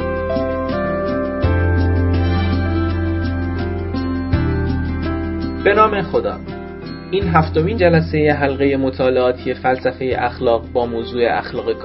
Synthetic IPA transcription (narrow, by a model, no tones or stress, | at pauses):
b̥e̞nɒːme̞xo̞d̪ɒ̰ː | iːnɦæft̪o̞miːnd͡ʒælæse̞je̞ɦælɣeje̞mot̪ʰɒːle̞ɒːt̪ʰije̞fælsæfe̞jḛʔæxlɒːɣbɒːmoːzuːe̞̰ʔæ̰xlɒːɣekʰː